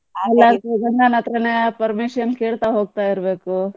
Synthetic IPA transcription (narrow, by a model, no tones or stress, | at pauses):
ɐlːasɐɡɐnɐnɐt̪ɾɐnepɐɾmiʃɐnkeːɭt̪aɦoːɡ̚t̪aːjiɾbeːku